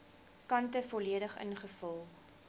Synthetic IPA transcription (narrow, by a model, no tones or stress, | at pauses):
kɐntəfɔliədəχə̰nχəfəlˠ